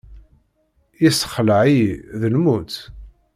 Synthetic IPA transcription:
jisəχləʕiðəlmut̪

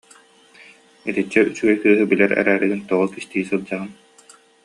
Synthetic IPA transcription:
it̪it͡ɕːɛyt͡ɕyɡɛjkɯːɦɯbilɛɾɛ̰ɾæːɾɯɡint̪uʁukist̪iːsɯlˠd͡ʑaʁɯn

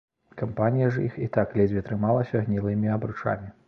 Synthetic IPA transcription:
kɐmpanʲijɐʐɐixit̪aklʲɛd͡zʲvʲit̪ɾɨmalˠɐsʲɐɣnʲilˠɨmʲiɐbɾut͡ʂa̰mʲi

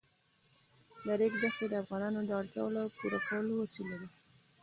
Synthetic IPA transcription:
laɾekd̪axed̪əafɣɑnɑnod̪əaɽka̰wəloawpuɾakʰawəlowasilad̪i

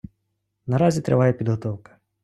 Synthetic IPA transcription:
nɐɾɑzʲit̪ɾɪʋɑjɛpʲid̪ɦɔt̪ɔwkɐ̥

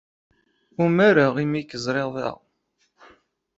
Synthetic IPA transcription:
umaɾaʁimikːəzˤɾˤeðˤɑ̰ʁ

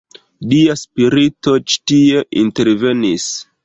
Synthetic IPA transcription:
liaspiɾito̞t͡ʃi̥tieʔinte̞ɾve̞nis

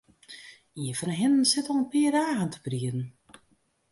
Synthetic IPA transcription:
iəfɔnɦɛnən̩sɪtɔlˠənpɪədaːɣəntʰə̥priətn̩

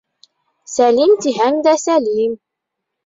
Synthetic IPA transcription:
sælimt̪iɦænd̪æsæliːm

